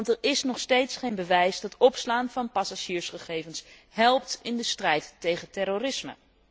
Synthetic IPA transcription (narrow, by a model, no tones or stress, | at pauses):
ntɛɹɪsnɔχstejtsχejnbəʋɛjsdɑtɔpslaːnvɑnpɑsaʒiːɹsχəχejvəns | hɛlˠp̚tɪndəstrɛjtːejχətɛɾorɪsmə̰